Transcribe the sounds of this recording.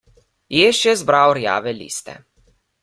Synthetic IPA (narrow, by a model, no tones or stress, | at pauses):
jeːʃjɛzbɾawɾja̰ːʋɛlḭːst̪ɛ̰